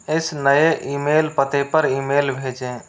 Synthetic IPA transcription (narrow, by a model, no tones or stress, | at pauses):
ɪsnəjeʔimeːlpət̪epəɾimeːlbʱeːd͡ʒẽ